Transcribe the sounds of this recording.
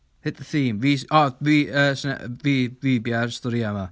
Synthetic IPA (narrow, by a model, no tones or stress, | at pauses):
hɪt̪ðəθiːmviːsɔviːəːsnɛ̰viːvibjarstɔɾiama